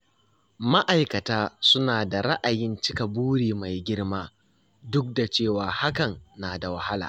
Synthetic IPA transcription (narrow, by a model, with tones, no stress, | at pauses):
ma˦ʔa˨jkɐ˨taː˦sʊ˦naː˨da˨ɾɐ˦ʔa˨jɪ˦nt͡ʃɪ˦ka˨buː˦ɽiː˨ma˨jɡʲɪ˦ɽmaː˦ | dʊ˦k̚da˨t͡ʃeː˦˨waː˨ha˦kɐ˨nːaː˨da˨wɐ˨ha˦la̰ː˨